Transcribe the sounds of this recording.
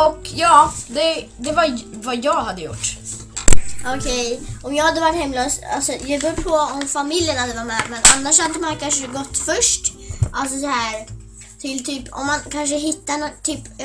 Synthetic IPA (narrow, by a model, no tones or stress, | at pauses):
ɔkjɑːd̪ɛd̪ɛvaɾvajɑːɡhad̪ːəjʊ̰ʈː | ʔɔkʰɛjɔmjɑːɡhad̪ːəvaʈːhɛmløːsa̰lsɔjɑbɵːɾpʰɔɔmfamɪljənhad̪ːəvaɾmɛːmɛnanːaʂhad̪ːəmankʰanʂəɡɔt̪ːfœʂʈ | ʔals̬ɔsɔhæːɾ | t̪ʰɪlt̪ʰyːpɔ̰mːankʰanʂ̬əɦɪt̪ːanɔt̪ʰyːp